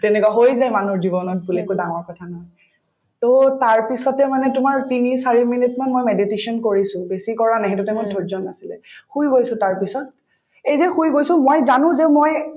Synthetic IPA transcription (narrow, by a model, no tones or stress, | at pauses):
tɛnɛkwaɦojzajmanuɹdibɔnɔt̚bulekʊdaŋɔɹkɔtʰanɔɦɔj | totaɹpisɔtɛmanɛtʊmaɹtinisaɹiminɛtmanmojmeditesɔnkoɹisʊ̃besikɔɹanaɦɛt̬utɛmɔdʱɔɹzɔnasilɛ̰xujɡojsʊ̃taɹpisɔt̚ | ejzɛxujɡojsʊ̃mojzanʊ̃zɛmoj